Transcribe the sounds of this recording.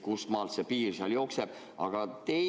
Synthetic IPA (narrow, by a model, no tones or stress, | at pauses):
kusmɑːlt̪sepiːrseɑljo̞ːkseb̥ | ɑ̰ɡ̥ɑt̪e̞